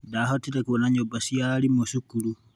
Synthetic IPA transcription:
daɦotitakuβɔnaɲobasiaɾimosukulu

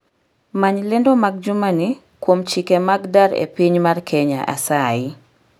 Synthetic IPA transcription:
maɲlɛndomaɡ̚d͡ʒʊmani | kwomt͡ʃikemaɡdaɾḛpiɲmarkʰɛɲa̰ʔa̰saɪ

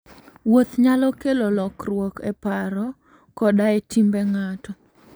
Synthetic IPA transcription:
wot̪ɲalɔkelɔlɔkrwɔkɛ̰paɾɔ | kɔdaetimbɛŋatɔ

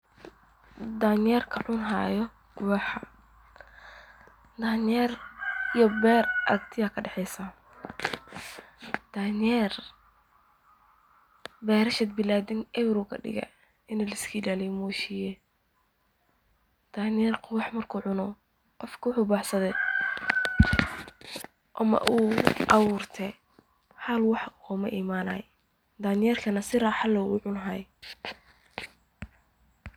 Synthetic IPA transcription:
d̪anjɛrkʰɐʕʊnɦa̰ːjɔ | qʊwɑħa | d̪aːnjɛːrijɔbɛːrʔɐ̰kt̪ʰɪjaːkʰɐɖɛħɛjsaː | d̪̥aːnjɛr | bɛːɾɐʃɛd̪̚bɪlaːd̪ɪŋɛwɾuːkʰɐ̰ɖɪ̰ɣɐ̰ | ɪnɐlɪskʰiːlalɛmuːʃijɛ | d̪̥aːnjɛrkʰʊwɑħmɐrkʰuːʕʊnɔ | qɔfkʰɐwʊħʊːbɑːħsɐðɛ | ʔɔmɐ̰ʔuʔɐwuːrt̪ʰɛ | ħɐlwɑħɔːmɐʔiːmaːnɐ̰ːj | d̪aːnjɛːrkʰɐnɐsɪraːħɑlɔ̰ːʕʊnɦɐːj

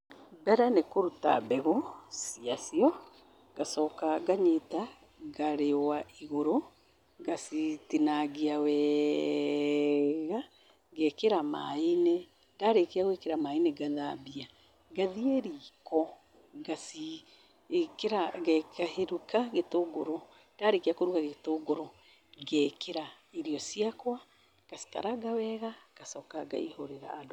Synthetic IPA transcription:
bɛɾanekoɾuta̰bɛɣosiasiɔ | ɡ̥asɔːkaɡaɲeta | ɡaɾewaʔiɣoɾo | ɡasitinaɡiawɛ | ɣa | ɣɛkeɾama̰ine | daɾekeaɣwekeɾamaineɡaðabia | ɡaðieɾikɔ | ɡasi | keɾaɡɛkaheɾukaɡetoɡoɾo | d̥aɾekeakoɾukaɣetoɡoɾo | ɡɛkʰeɾa | iɾiɔsiakwa | kasi̥ka̰ɾaɡawɛɣakasɔkaɡa̰ḭhoɾeɾa̰ːdo

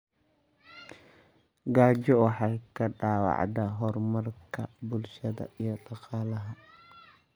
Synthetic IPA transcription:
ɡaːd͡ʒɔwɑħɑːkʰɐɖaːwɑ̰ʕd̪ɐɦɔrmɐrkʰɐbʊlʃɐðɐ̰ijɔɖɑqɑːlɐɦɐ

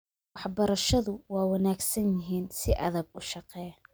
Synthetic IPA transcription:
wɑħbɐɾɐʃɐðʊwɑːwɐnaːɡsɐnjɪɦiːnsɪʔɐ̰ðɐɡʊʃɑqɛːj

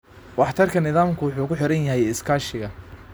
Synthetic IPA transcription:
wɑħt̪ʰɐrkʰɐnɪðaːmkʰʊwʊħuːkʊħɪɾɐnjɐɦɛjɪskʰaːʃɪɣɐ

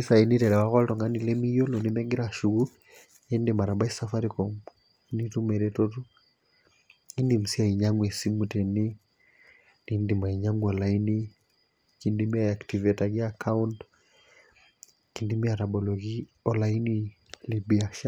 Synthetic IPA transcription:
isainitɛlɛwakɔltɔŋɡanilɛmijɔlonimɛŋɡɪɾaʃuɣu | endemaɾabaisafaɾikɔ | nitumɛɾɛtɔtu | indim̩siaiɲaŋwɛsimutɛni | nindimaiɲaŋɡuɔlaini | kindimiaaktivɛtaɡiakʰaunt | kindimiatabɔlɔɣiɔlaini | libiaʃa

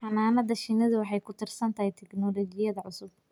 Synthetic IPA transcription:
ħɑnaːnɐðɐʃɪnɐðʊwɑħɑjkʰʊt̪ʰɪrsɐnt̪ʰɐhɪt̪ʰɛɡnɔːlɔːt͡ʃɪjɐðɐʕʊsʊb̚

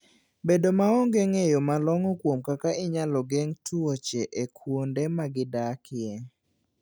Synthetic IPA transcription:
bedomaɔŋɡeŋejomalɔŋɔkwomkakaʔɪɲalɔɡɛŋtuot͡ʃeʔekʰwondemaɡɪdakɪje

